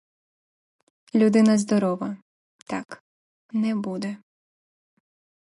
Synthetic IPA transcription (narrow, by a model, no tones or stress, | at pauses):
lʲud̪ɪnɐzd̪ɔɾɔʋɐ | t̪ɑ̰k | nɛbud̪ɛ